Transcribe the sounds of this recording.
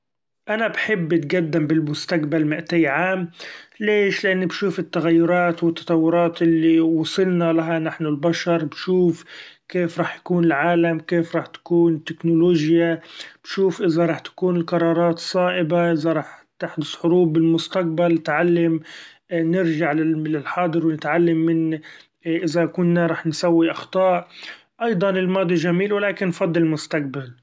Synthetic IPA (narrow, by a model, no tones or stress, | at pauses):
ʔanabħɪbːt̪ɡad̪ːɪmbɪlmʊst̪aqbalmɪʔt̪ajʕaːmleːʃlɪʔanːbʃuːfɪt̪ːaɣajːʊɾˤɑːt̪wɪt̪ːɑ̥t̪ˤɑwːʊɾˤɑːt̪ʔɪlːiwɑsˤɨlnalaɦanaħnʊlbaʃɑɾˤbʃuːfkeːfɾˤɑːħjḁkuːnɪlʕaːlamkeːfɾˤɑːħt̪ḁkuːnɪt̪ːɪknʊloːʒjab̥ʃuːfʔɪzaɾˤɑːħt̪ḁkuːnɪlqɑɾˤɑːɾˤɑːt̪sˤɑːʔɪbaʔɪzaɾˤɑːħt̪ɪħd̪ʊsħʊɾuːbːɪlmʊst̪aq̚balnɪt̪ʕalːam | nɪɾʒaʕlɪlɪlħɑːd̪ˤɨɾwnɪt̪ʕalːamːɪn | ʔɪzakʊnːaɾˤɑːħnsawːiʔɑxt̪ˤɑːʔ | ʔɑjd̪ˤɑnɪlmɑːd̪ˤiʒamiːlwɪlaːkɪnːfɑd̪ˤːlɪlmʊst̪aq̚bal